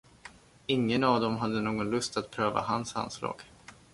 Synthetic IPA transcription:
ɪŋːənavd̪ɔmɦad̪ːənoːɡɔnlɵst̪at̪pʰɾøːva̰hansa̰nːslɑ̰ːɡ̥

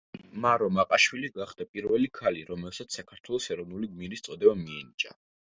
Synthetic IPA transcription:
maɾɔmaqʼaʃwiliɡaχd̪̥apʼiɾvɛlikʰaliɾɔmɛlsat̪ssakʰaɾt̪ʰwɛlˠɔsɛɾɔvnuliɡmiɾist̪sʼɔd̪ɛbamiɛnit͡ʃʼa̰

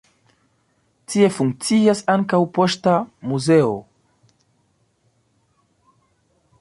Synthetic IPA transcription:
tie̞fuŋk̚t͡siasaŋkawpo̞stamuze̞o̰

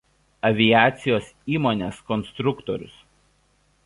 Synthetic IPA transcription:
ɐʋʲɪjæːt̪sʲɪjoːsiːmoːnʲeːskɔnst̪ɾʊkt̪ɔɾʲʊ̰s

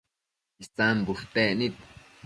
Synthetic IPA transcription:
ist͡sãmbuʂt̪enit̪

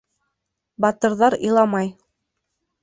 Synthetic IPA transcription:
bɑt̪ɤ̆ɾðɑɾɤ̰̆lˠɑmɑj

